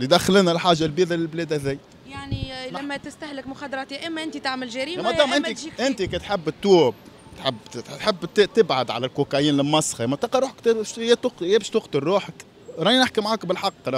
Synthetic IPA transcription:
lid̪æxlɪnælħaːʒalbiːd̪ælɪlblɛːd̪hæðæːj | jaʕnimmːæt̪ɪst̪ahlɪkmʊxɑd̪ɾˤɑt̪iːʔɪmːʔɪnt̪it̪aʕməlʒæɾiːmæd̪ɑːmʔɪniʔɪnt̪ikɛt̪ħɪbːt̪ːuːb̚ | t̪ħɪb̪ːt̪ħəbːt̪t̪ɪbʕad̪ʕa̰lælkukæjiːnlɪmɑsˤːxɑmɑt̪ɑːqɑɾuːħə̥kt̪ʃjt̪ʊqjebʃt̪ʊqt̪əɾːuːħək | ɾˤɑːinəħkimʕaːkbɪlħɑqːɾ

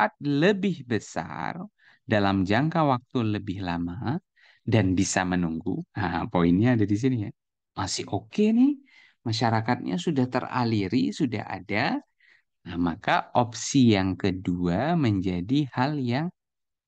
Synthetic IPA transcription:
at̪̚ləbɪhbəsa̰r | dalamd͡ʒaŋkawak̚t̪uləbɪhlama | danbisamənuŋɡuapoinɲaːdadis̬inija | masɪhokenɪh | maʃaɾakat̪̚ɲa̰sudaht̪ə̰ra̰liɾisuda̰ha̰da | əmakaʔop̚sijaŋkəduaməɲd͡ʒadihaljaŋ

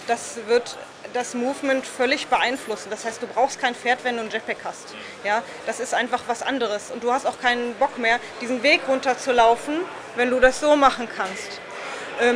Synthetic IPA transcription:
d̥asvɪɐt | d̥asmuːvmɛntfœlɪçb̥əʔaɪnflʊsn̩d̥ashaɪst̚d̥uːbʁaʊxst̚kʰaɪnfeːɐtv̥ɛnduːnd͡ʒɛt̚pɛkhast | jaː | d̥asɪstʔaɪnfaχv̥asʔa̰ndəʁ̞əsʔʊnt̚d̥uːhastaʊxkʰaɪnənbɔkmeːɐd̥iːzn̩veːkʁʊntɐt͡sulaʊfn̩ | vɛnduːdasz̥oːmaχn̩kʰanst | ʔɛː

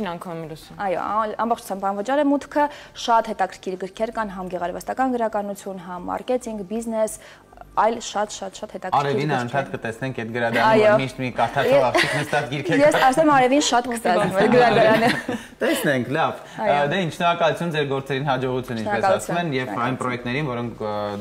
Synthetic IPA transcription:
ɑŋkʰɑlsɑjɔ̰ɑmbɔχt͡ʃʰu̥t͡sʰɑmbɑnvət͡ʃɑɾɛmut̪ʰkʰəʃɑt̪hɛt̪ɑkʰəɾkʰiɾɡəɾkʰɛɾkɑnɦɑmɡɛʁɑɾvɑst̪ɑkɑnɡəɾɑkɑnut͡sʰjunɦɑmɑ̰rkɛt͡sʰiŋkʰbiznɛs | ɑjlʃɑt̪ʃɑt̪ʃɑt̪hɛt̪ɑkɑɾɛvinɑəntʰɑt̪kət̪ɛsnɛŋkʰɛt̪̚ɡəɾɑd̪ɑɾɑjɔmiʃt̪mikɑɾt̪ʰɑɾɛɑikʰnəst̪ɑt͡sɡiɾkʰɛjɛsɑsɛmɑɾɛvinʃɑt̪kʰəst̪ɑɛmɛɾɡəɾɑd̪ɑɾɑnə | t̪ɛsnɛŋkʰlɑv | jd̪ɛinʃnɔɾɑkɑlut͡sʰjund͡zɛɾɡɔɾt͡sɛɾinɦɑd͡ʒɔʁut͡sʰjunʃinɾɛskɑluɑsʰumɛnjɛvɑjnpɾɔjɛk̚t̪nɛɾinvɔɾɔŋkʰ

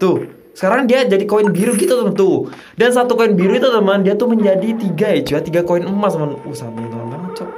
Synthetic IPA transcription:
t̪ʊh | sə̥kaɾaŋdiad͡ʒadikoɪnbiɾuɡit̪ut̪əmənt̪ʊ | dans̬at̪ukoɪnbiɾuit̪ut̪əməndiat̪ʊhməɲd͡ʒadit̪iɡaɛt͡ʃuat̪iɡakoɪnəmasamanusat̪̚it̪əmanlaŋt͡ʃɔ

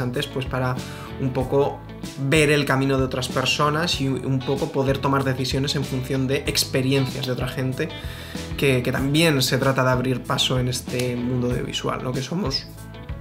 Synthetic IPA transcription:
ant̪e̞spwe̞spaɾa | umpo̞ko̞ | βe̞ɾe̞lkamĩno̞ðeot̪ɾaspe̞ɾso̞nasiumpo̞ko̞po̞ðe̞ɾt̪o̞maɾðe̞θisjo̞ne̞se̞ɱfunθjo̞nd̪e̞ʔekspe̞ɾje̞n̟θjazðeo̞t̪ɾaxe̞nt̪e̞ | ke̞ke̞t̪ambje̞nse̞t̪ɾat̪aðeaβ̞ɾiɾpaso̞ene̞st̪emũnd̪oaðjo̰βḭswa̰lnʔo̞keso̞mos

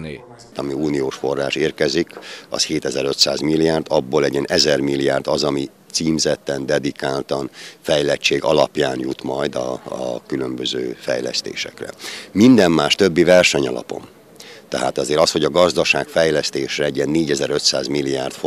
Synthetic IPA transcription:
ɒmiuːnioːʃfo̞rːaːʃeːrkɛzikɒ̰sheːt̪ɛzɛɾøt̪sa̰ːzmilːijaːrd̪ɒbːoːlɛɟiɛnʔɛzɛrmilːiaːrd̪ɒzɒmi | t̪siːmzɛt̪ːɛnd̪ɛd̪ikaːlt̪ɒnfɛjlɛt͡ʃːeːɡɒ̰lɒpjaːnjut̪mɒjd̪ɒkylø̞mbøzøːfɛ̰jlɛ̰st̪ḛːʃɛ̰krɛ̰mind̪ɛmːaːʃt̪ø̞bːivɛrʃɛɲɒ̰lɒ̰po̞̰m | t̪ɛɦa̰ːt̪ɒzeːɾɒsho̞ɟɒɡɒzd̪ɒʃaːkfɛjlɛst̪eːʃrɛɛɟiɛnːeːɟɛzɛɾø̞t̪saːzmilːijaːrt̪f

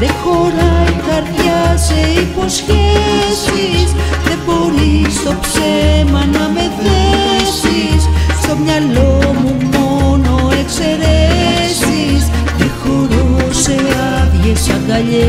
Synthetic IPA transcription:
d̪ekoɾajkaɾðjaseiposkjesisd̪epolisopsemanamet̪ɾesissobɲalomumonoekseɾesis | d̪ekoɾoseaβjesakaʎe

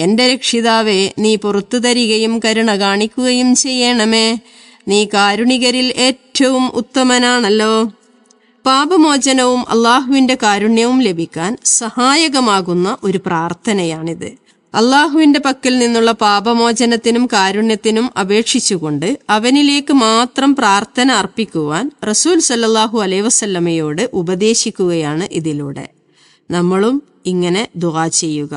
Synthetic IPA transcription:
e̞nde̞ɾekʂiðaːʋe̞niːpurɐt̪ːut̪ɐɾiɣɐjumkɐɾuɳɐɣaːɳikʲːuɣɐjumt͡ɕe̞jːeːɳɐme̞ː | niːkaːɾuɳiɣɐɾile̞ːtːɐʋumʔṵt̪ːɐmɐnaːɳɐlːo̞ː | paːbɐmo̞ːd͡ʑɐnɐʋumʔɐ̰lːaːɦuʋinde̞kaːɾuɳjɐʋumle̞bʱikʲːaːnsɐhaːjɐɣɐmaːɣunːɐʔo̞ɾupraːrt̪ʰɐnɐjaːɳiðɨ | ɐlːaːɦuʋinde̞pɐkːɐlninːuɭːɐpaːbɐmo̞ːd͡ʑɐnɐt̪ːinumkaːɾuɳjɐt̪ːinumɐbe̞ːkʂit͡ɕːuɣo̞ɳɖɨɐʋɐnile̞ːkːɨmaːt̪rɐmpraːrt̪ʰɐnɐːrpikʲːuʋaːnrɐsuːlsɐlːɐlːaːɦuɐlɐiʋɐsɐlːɐmɐjo̞ːɽɨʔubɐd̪e̞ːɕikʲːuɣɐjaːɳɨʔiðiluːɽe̞̰ | nɐmːɐɭum | iŋːɐne̞d̪uaːt͡ɕe̞jːuɣɐ

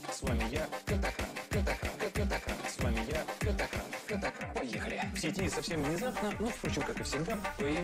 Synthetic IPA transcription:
svamʲɪjakʲəd̪ɐkɾa̰nkəd̪ɐkɾa̰nəəd̪ɐkɾa̰nsvamʲɪjakʲəd̪ɐkɾa̰nkəd̪ɐkɾapɐjexəlʲɪfsʲɪtʲɪsɐfsʲe̞mvnʲɪzapnənofpɾo̞t͡ɕɪmkakɨfsʲɪɡd̪apɐje

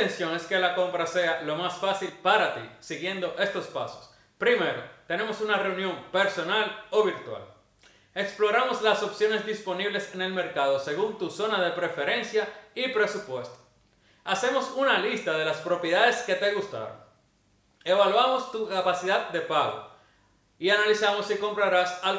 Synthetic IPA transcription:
ensjo̞ŋe̞ske̞lako̞mpɾase̞alo̞masfasilpaɾat̪isiɣje̞nd̪o̞ʔe̞st̪o̞spa̰so̞̥s | pɾime̞ɾo̞̰t̪e̞ne̞mo̞sunare̞unjo̞mpe̞ɾso̞nalo̞βiɾt̪wa̰l | e̞ksplo̞ɾamo̞slaso̞psjo̞ne̞zd̪ispo̞niβle̞se̞ne̞lme̞ɾkaðo̞se̞ɣunt̪uso̞naðe̞pɾe̞fe̞ɾe̞nsjaipɾe̞supwe̞st̪o̥ | ase̞mo̞sunalist̪aðe̞laspɾo̞pjeðaðe̞ske̞t̪e̞ɣust̪a̰βo̰ŋ | e̞βalwamo̞st̪ukapasiðad̪̚d̪e̞paɣo̞̰ | ianalisamo̞siko̞mpɾaɾasal

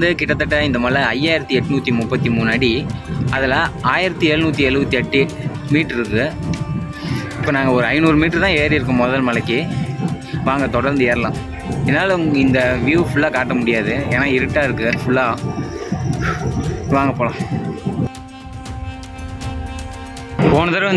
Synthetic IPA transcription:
d̪ɯkɪʈːɐt̪ːɐʈːɐɪnd̪ɐmɐlɐɐjaːjɪɾɐt̪ːiɛʈːɯnuːt̪ːimʊpːɐt̪ːimuːnɐɽiɐðɪlaaːjɪɾɐt̪ːiɛːɻɯnuːt̪ːiɛɻɯʋɐt̪ːiɛʈːɯ | miːʈɾɪɾɯkːɯ | ɪpːoːnãːŋɡɐɔɾɯɐɪnuːɾmiːʈɾɯt̪ãːeːɾɪɾɯk̬ːɯ̃mːɔðɐlmɐlɐkːi | ʋaːŋɡɐt̪ɔɽɐɾnd̪ɯeːɾɐlãː | ɛnːaːlɐŋɪnd̪ɐʋɪjufʊɭːaːkaːʈ̬ːɐmʊɽɪjaːðɯeːnaːɪɾɯʈːaːɪɾɯkːɯfʊɭːaː | ʋaːŋɡɐpːoːlãː | poːnɐðɐɾɐ

